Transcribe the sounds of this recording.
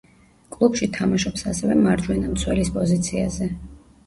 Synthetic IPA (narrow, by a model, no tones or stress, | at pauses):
kʼlˠubʃit̪ʰamaʃɔpsasɛvɛmaɾd͡ʒwɛnamt̪sʰwɛlispʼɔzit̪sʰia̰zɛ